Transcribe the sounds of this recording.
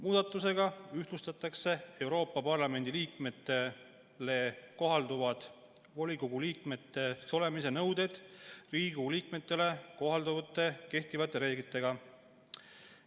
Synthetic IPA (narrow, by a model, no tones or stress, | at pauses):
muːd̪ɑt̪ːˑuse̞ɡɑyht̪lust̪ɑt̪ːˑɑkse̞e̞wɾo̞ːpːˑɑpɑrlɑme̞nʲd̪iliːk̚me̞t̪ːe | le̞ko̞ɦɑld̪uvɑd̪̥ | vo̞lʲikoɡ̥uliːkme̞t̪ːe̞so̞le̞mise̞nɤwd̪e̞d̪̥riːɡuliːkmet̪ːe̞le̞ko̞ɦɑld̪uvɑt̪ːˑe̞ke̞ht̪ivɑt̪ːˑe̞ɾe̞ːɡit̪ːˑe̞ɡ̥ɑ